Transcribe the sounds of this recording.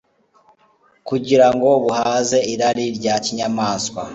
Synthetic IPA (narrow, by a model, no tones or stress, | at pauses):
kuɟiɾaŋɡo̞βuhaze̞iɾaɾiɾɟaciɲamaːskwa